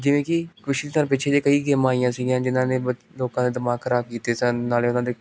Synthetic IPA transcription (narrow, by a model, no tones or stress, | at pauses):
d͡ʒɪʋẽːkɪkʊʃit̪ʰaːnpɪːt͡ʃʰeːd̪eːkəiːɡeːmaːijãːsɪɡijãːd͡ʒɪnãːneːbə | loːkãːd̪eːd̪ɪmaːɡkʰːəɾaːb̚kiːt̪eːsənːaːleːʊnãːd̪eː